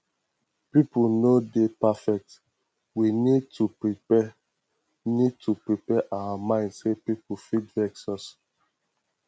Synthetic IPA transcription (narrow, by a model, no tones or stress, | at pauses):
pipunodepafɛk̚t | winid̚tuɹipɛ | nid̚tʰupɹipɛʔawamãɪ̃ndsepipufidvɛksɔs